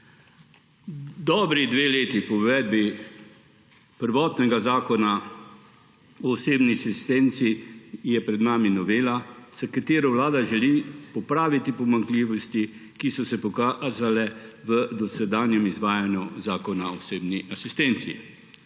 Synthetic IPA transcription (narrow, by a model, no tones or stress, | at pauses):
d̪ɔːbɾid̪ʋeːleːt̪ipɔʋɛːd̪̚bi | pəɾʋɔːt̪nɛɡazaːkɔna | ɔːseːbniasist̪ɛnt̪sijɛpɾɛd̪naːminɔʋeːlasakat̪eːɾɔwlaːd̪aʒɛlipɔpɾaːʋit̪ipɔmaŋkliːʋɔst̪ikisɔsɛpɔkazalɛʋəd̪ɔsɛd̪aːnjɛmizʋaːjanjuzaːkɔnaɔseːbniʔasist̪ɛnt̪sḭ